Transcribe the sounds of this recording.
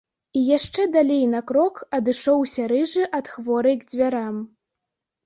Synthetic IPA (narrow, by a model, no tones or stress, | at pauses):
ijaʂt͡ʂɛd̪alʲejnɐkɾɔkɐd̪ɨʂɔwsʲɐɾɨʐɨʔɐt̪xvɔɾɨjɡd͡zʲvʲaɾam